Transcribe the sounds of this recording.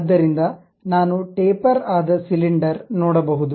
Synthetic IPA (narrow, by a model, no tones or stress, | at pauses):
d̪ːɐɾind̪ɐ | naːnuʈeːpɐɾaːd̪ɐsiliɳɖɐɾnɔːɽɐbɐɦud̪u